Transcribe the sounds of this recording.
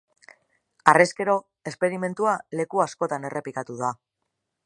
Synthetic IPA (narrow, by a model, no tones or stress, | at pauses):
areske̞ɾo̞ | e̞spe̞ɾime̞nt̪uale̞kuasko̞t̪ane̞rʔe̞pikat̪uða